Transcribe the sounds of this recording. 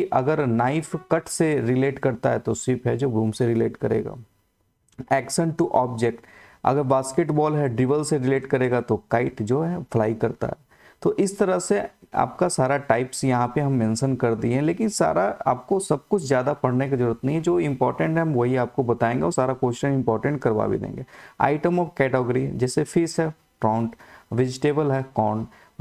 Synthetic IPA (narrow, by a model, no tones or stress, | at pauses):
ʔɐɡəɾnaːɪfʰkɐʈseɾɪleːʈkɐɾt̪aɦɛt̪oswɪpɦɛd͡ʒoːbũːmseɾɪleːʈkɐɾḛːɡa̰ː | ɛːkʃə̃ɳʈʈuʔɔːbd͡ʒek̚ʈ | ɐ̰ɡəɾbaːskeʈbɔːlɦɛɖɾɪʋəlseɾɪleːʈkɐɾeːɡat̪okaːɪʈd͡ʒoːɦɛflaːikɐɾt̪a̰ɦɛː | t̪oʔɪst̪ɐɾəɦsea̰ːpkasaːɾaʈaːɪpsjɐɦãpeɦɐmːɛ̃ːnʃənkɐɾd̪iɦɛ̃leːkɪnsa̰ːɾaa̰ːp̚kosɐb̚kʊt͡ʃʰzjaːd̪apɐɽ̤nek̬izɐɾuːɾət̪nɐɦĩɦɛd͡ʒoːɪ̃mpɔːɾʈə̃ɳʈɦɛɦɐmʋɐɦiaːp̚kobɐt̪aːẽːŋɡeɔːɾsaːɾakoːʃɪ̥ʃənɪ̃mpɔːɾʈə̃ɳʈ̚kɐɾba̰ːbḭd̪ḛ̃ːŋɡeːa̰ːɪʈəmɔfkɛːʈɔːɡəɾḭd͡ʒɛːsefʰiːsɦɛ | ʈɾɔːʊɳʈʋed͡ʒɪʈeːbəlɦɛːkɔːn